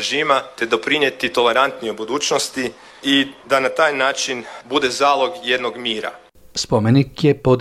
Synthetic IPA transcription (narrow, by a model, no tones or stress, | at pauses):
ʒiːmat̪e̞d̪o̞pɾinje̞t̪it̪o̞le̞ɾant̪niobud̪uːt͡ʃnost̪i | id̪anat̪aːjnaːt͡ʃinbud̪e̞zaːlˠo̞ɡje̞d̪noɡmiːɾa̰ | spomenikjepod̪